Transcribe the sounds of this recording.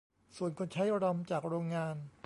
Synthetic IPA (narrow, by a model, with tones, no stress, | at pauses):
su˨˩ənkʰo˧nt͡ɕʰa˦˥jɾɔ˧mt͡ɕaː˨˩k̚ɾoː˧ŋːaː˧n